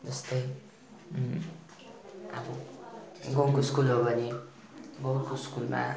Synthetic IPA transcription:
d͡zʌst̪ʌj | a̰bʌ | ɡʌwkoskulɦobʱʌni | ɡʌwkoskulma̰

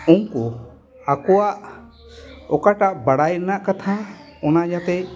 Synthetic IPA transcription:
uŋkɔ | akɔwaʔ | ɔkaʈaʔbaɽajɾɛnaʔkat̪ʰa | ɔnad͡ʒat̪ɛ

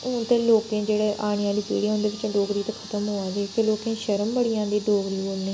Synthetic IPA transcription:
ʊ̃ːt̪ẽːloːkẽːd͡ʒeːɽeːʔaːɽ̃ɪjãːd̪iːpḭːɽiːõnd̪eːʋɪt͡ʃɖoːɡɾiːt̪akʰət̪əmɦoːãːd͡ʒkeloːkẽːʃəɾəmbəɽiːãːd̪eːɖoːɡɾiːboːlneː

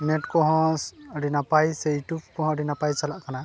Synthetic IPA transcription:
nɛtkɔɦɔ̃sɾinapajsejʈup̚kɔɦɔ̃ɖinapajsalaʔkana

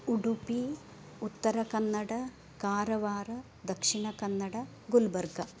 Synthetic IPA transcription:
uɽupi | ut̪ːɐɾɐkɐnːɐɽɐ | kaːɾɐʋaːɾɐ | d̪ɐkʂiɳɐkɐnːɐɽɐ | ɡulbɐɾɡɐ

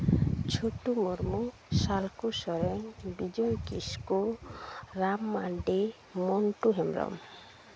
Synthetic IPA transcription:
t͡ʃʰoʈumoɾmu | salkusɔɾeŋbid͡ʒɔjkisku | ɾamːaɳɖi | mɔɳʈuɦemɾɔ̰m

